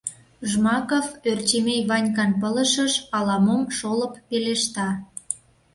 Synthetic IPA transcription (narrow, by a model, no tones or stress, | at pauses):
ʒmɑkoført͡ɕemejβɑnʲkɑnpələ̆ʃəʃɑlɑmomʃoləpːeleʃt̪ɑ